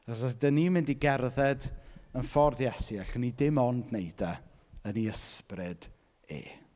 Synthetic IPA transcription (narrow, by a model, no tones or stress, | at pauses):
s̬adənimɪndiɡɛrðɛdənfɔrðjɛsiaɬənidɪmɔndnejda | əniəsprɪd̥ | ḛː